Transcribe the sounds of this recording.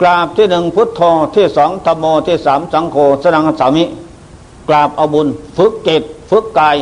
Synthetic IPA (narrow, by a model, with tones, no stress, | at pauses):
klaː˨˩p̚t̪ʰiː˥˩nɯ˨ŋpʰu˦˥t̪ʰːoː˧t̪ʰiː˥˩sɔː˨˩˦ŋt̪ʰa˧mːoː˧t̪ʰiː˥˩saː˩˦msa˨˩˦ŋkʰoː˧sa˧na˧ŋ˧saː˨˦mi˦˥ʔ | klaː˨˩p̚ʔa˧wbu˧nfɯ˦˥kːeː˨˩t̪̚fɯ˦˥kːaː˧j